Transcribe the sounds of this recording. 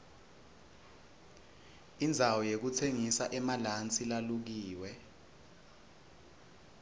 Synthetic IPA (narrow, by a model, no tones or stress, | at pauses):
ind͡zʱawɔjek̬utʰeŋisaʔɛmalant͡sʼilaluk̬iːwɛ